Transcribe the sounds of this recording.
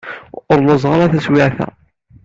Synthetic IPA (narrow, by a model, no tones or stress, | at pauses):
ɾˤlɑzˤʁɾˤɑθæswɪʕθæ̰